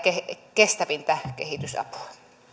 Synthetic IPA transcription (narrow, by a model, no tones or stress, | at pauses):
kekest̪æʋint̪ækḛhit̪ysɑ̰pu̥ɑ̥